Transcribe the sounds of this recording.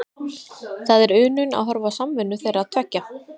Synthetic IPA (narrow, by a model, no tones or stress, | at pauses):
θaðɛɾʏːnʏna̰ðɦɔɾvasamvɪnːʏθejɾaðt̪ʰvɛcːa